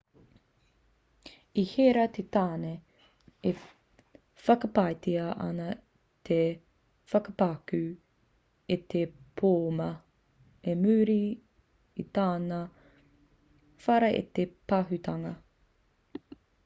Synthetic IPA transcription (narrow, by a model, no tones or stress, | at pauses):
iheɾɐt̪ʰet̪aːne | e | fɐkɐpajt̪iɐʔɐ̰nɐ | t̪ʰe | fɐkɐpakʉ | et̪epʰoːmɐ | emʉːɾi | it̪aːnɐ | fɐɾɐʔḛt̪epaɦʉt̪ɐŋɐ